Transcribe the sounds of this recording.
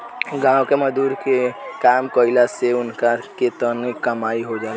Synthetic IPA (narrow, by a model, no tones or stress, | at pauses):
ɡãːwkeməd̪uːɾkekaːmkoɪlaseʊnkaket̪ənkəmaːiɦod͡ʒaː